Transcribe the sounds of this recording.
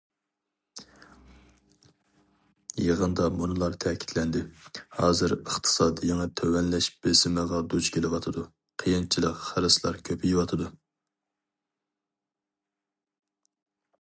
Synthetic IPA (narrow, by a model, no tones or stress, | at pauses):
jeʁənd̪ɑmunɨlˠɑɾt̪ʰɛkʲʰi̥t̪ʰlɛnd̪ɪhɑːzɨɾəχt̪ʰɨ̥sɑːd̪ɨjɛŋɛt̪ʰøwɛnlɛʃb̥esɪmɨʁɑd̪ut͡ʃkʲʰelɪwɑt̪ʰɨd̪u | qʰəjint͡ʃʰilˠəqχæɾɨslˠɑ̰ɾkʲʰøpʰijwɑt̪ʰɨd̪u